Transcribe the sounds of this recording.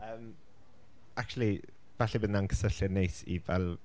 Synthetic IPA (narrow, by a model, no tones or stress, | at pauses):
əːm | ak̚t͡ʃulˠi | vaɬibədnankʰə̥səɬjənejsḭvɛlˠ